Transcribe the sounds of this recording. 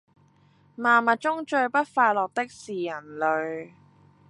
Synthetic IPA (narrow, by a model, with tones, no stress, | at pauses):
maː˨mɐ˨˩t̚t͡ʃʊ˥ŋt͡ʃɵ˧ɥpɐ˥t̚faː˧jlɔː˨˩k̚t̪ɪ˥k̚siː˨jɐ˨˩nlɵ˨˧ɥ